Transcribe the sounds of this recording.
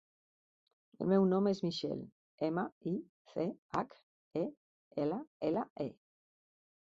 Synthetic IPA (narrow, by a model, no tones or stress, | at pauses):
ə̰lmewnomezmiʃɛ̰l | eməi | θeak | e | eləeləʔḛ